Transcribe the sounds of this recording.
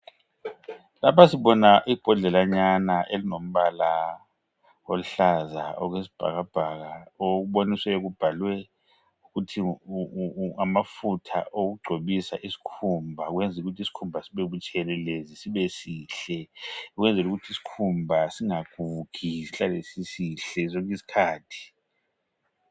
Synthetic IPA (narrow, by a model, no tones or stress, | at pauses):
lapʰasiɓɔnaʔib̥ʱɔɮɛlaɲanaʔelinom̩βala | olɬazaɔɣwesi̥b̥ʱa̰ɣab̥ʱaɣaoɣuɓoniswɛɣub̥ʱalwɛ | uɣutʰi | ŋamafutʰa̰ʔoɣ̬uɡ͡ǀʱoɓisaʔisi̥kʰumbʱaɣwɛnd͡zʱuɣutʰisi̥kʰumbʱasiɓeɓut͡ʃʼɛlɛlezisiβesiːɬɛɣwɛnd͡zʱɛluɣutʰisi̥kʰumbʱasiŋaɡ̥ʱuɡ̥ʰʱiɬalesisiɬɛzoŋkʼisi̥kʰaːtʰi̥